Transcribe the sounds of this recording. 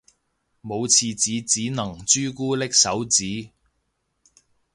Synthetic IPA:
mo˨˧wt͡sʰiː˨˧t͡siː˨˧t͡siː˨˥nɐ˨˩ŋt͡ʃyː˥kuː˥lɪ˥k̚sɐ˨˥wt͡siː˨˥

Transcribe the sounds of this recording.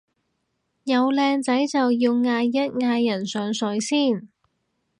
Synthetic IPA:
jɐ˨˧wlɛː˧ŋt͡sɐ˨˥jt͡sɐ˨wjiː˧wŋaː˧jːɐ˥t̚ŋaː˧jːɐ˨˩nsœː˨˥ŋsɵ˨˥ɥsiː˥˩n

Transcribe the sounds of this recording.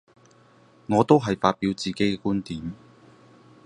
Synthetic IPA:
ŋɔː˨˧t̪o˥wɦɐ˨jfaː˧t̚piː˨˥wt͡siː˨˩ke˨˥jkɛ˧kuː˥nt̪iː˨˥m

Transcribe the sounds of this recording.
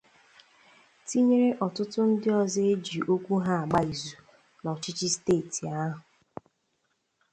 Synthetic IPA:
ti˦ɲe˦ɾe˦ʔɔ˨tʊ˦tʊ˦n̩˦dɪ˦ɔ˨ze˦d͡ʒi˨ʔo˦kʷu˦ɦa˦a˨ɡ͡ba˦i˨zu˨ | nɔ˨t͡ʃɪ˦t͡ʃi˦steː˦˨ti˨a˦ɦʊ˨

